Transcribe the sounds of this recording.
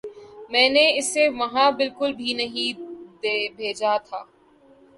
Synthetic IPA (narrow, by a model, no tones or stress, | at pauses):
mɛ̃ːneɪsːeʋɐɦãbɪlkʊlbʱinɐɦĩd̪eːbʱeːd͡ʒat̪ʰaː